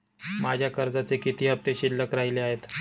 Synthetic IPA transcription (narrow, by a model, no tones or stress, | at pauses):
mad͡ʑʱjakəɾd͡zat͡sekit̪iːɦəp̚t̪eɕilːəkɾaɦileaɦet̪